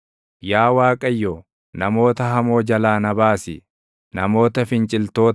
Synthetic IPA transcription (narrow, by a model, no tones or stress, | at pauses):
jaːwaːkʼɐjːoː | nɐmo̞ːt̪ɐɦɐmo̞ːd͡ʒɐlaːnɐbaːsɪ | nɐmo̞ːt̪ɐfɪnt͡ʃʼɪlt̪o̞ː